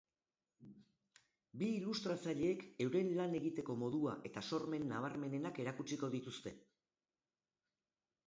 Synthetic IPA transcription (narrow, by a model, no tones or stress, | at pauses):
biːlust̪ɾat͡saʎe̞ːke̞wɾe̞nlane̞ɣit̪e̞ko̞mo̞ðuaʔe̞t̪aso̞ɾme̞nːaβ̞aɾme̞ne̞nake̞ɾakut͡ʃiko̞ðit̪ust̪e̞̰